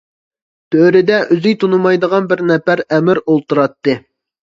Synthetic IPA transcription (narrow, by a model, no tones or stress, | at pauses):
t̪ʰøɾɪd̪ɛʔyzyjt̪ʰunumɑjd̪əʁɑnbɪɾnɛpæɾɛmɪɾolˠt̪uɾɑt̪ːɨ